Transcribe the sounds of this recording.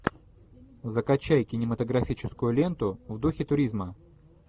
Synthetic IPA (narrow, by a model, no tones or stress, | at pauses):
zəkɐt͡ɕːæjkʲɪnʲɪmət̪əɡɾɐfʲit͡ɕɪskʊjʊlʲe̞nt̪ʊvd̪uxʲɪt̪ʊɾʲizmə